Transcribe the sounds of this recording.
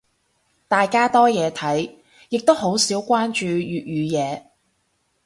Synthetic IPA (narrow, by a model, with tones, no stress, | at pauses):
t̪aː˨jkaː˥t̪ɔː˥jɛː˨˧t̪ʰɐ˨˥j | jɪ˨k̚t̪o˥wɦo˨˥wsiː˨˥wkʷaː˥nt͡ʃyː˨˧jyː˨t̚jyː˨˧jɛː˨˧